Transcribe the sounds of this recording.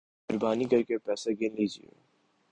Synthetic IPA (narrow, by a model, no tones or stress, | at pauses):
ʊɾbaːnikɐɾkepɛːseɡɪnliːd͡ʒiḛ